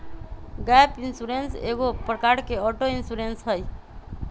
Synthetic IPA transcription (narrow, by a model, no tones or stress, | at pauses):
ɡɛpinsuɾensḛɡopɾəkaɾkeɔʈoinsuɾensɦəj